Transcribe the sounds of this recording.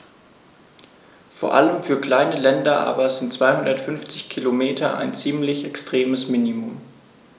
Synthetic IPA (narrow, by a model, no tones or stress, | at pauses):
foːɐʔa̰ləmfyːɐkl̥aɪnəlɛndɐʔa̰ːbɐzɪntt͡sv̥aɪhʊndɐtfʏnft͡sɪçkʰilomeːtʰɐʔa̰ɪnt͡siːmlɪçɛkstʁ̥eːməsminimʊm